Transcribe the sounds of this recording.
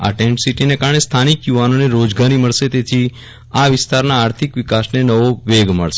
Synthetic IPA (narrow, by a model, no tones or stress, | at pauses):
a̰ʈeɳʈsiʈinekaɾɳ̃est̪ʰanikjuʋanoneɾod͡ʒɡaɾiməɭʃet̪et̪ʰi | aʋɪst̪aɾnaːɾt̪ʰikʋɪkasnenəʋoʋeɡməɭʃe